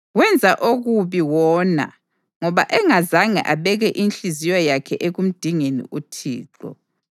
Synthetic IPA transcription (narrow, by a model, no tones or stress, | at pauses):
ɣwɛnd͡zʱaʔoɣuβiwɔːna̰ | ŋɔβa̰ʔɛŋazaŋɛ̰ʔaβɛɣɛʔinɬʼizijɔjakʰɛʔeɣum̩d̥ʱiŋenḭʔutʰḭːǁɔ̰